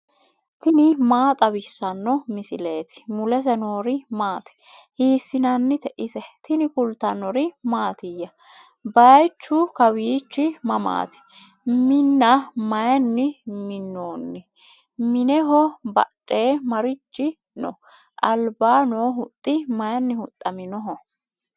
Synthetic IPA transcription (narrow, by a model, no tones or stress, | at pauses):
t̪ɪnɪmaːt̪ʼɐbɪsːɐnːɔmɪsɪle̞ːt̪ɪ̥mʊlɛs̬ɛno̞ːɾɪmaːt̪ɪ̥ | hiːsːɪnɐnːɪt̪ɛʔɪsɛt̪ɪnɪkʊlt̪ːɐnːɔɾɪmaːt̪ɪjːɐ | bɐjt͡ʃːʊkɐwiːt͡ʃːɪmɐma̰ːt̪ɪ̥ | mɪnːɐmɐjɐnːɪmɪnːoːnːɪ | mɪnɛɦɔbɐ̰tʼːe̞ːmɐɾɪt͡ʃːɪ | nɔ̰ | ʔɐlbaːnoːɦʊt̪ʼːɪmɐjɐnːɪhʊt̪ʼːɐmɪnɔɦɔ